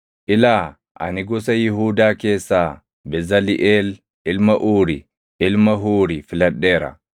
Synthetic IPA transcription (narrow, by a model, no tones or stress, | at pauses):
ʔɪlaː | ʔɐ̰nɪɡɔs̬ɐjɪɦuːd̪aːke̞ːsːaː | bɛzɐlɪʔeːl | ʔɪlmɐʔuːɾɪ | ʔɪlmɐɦuːɾɪfɪlɐᶑːe̞ːɾɐ̰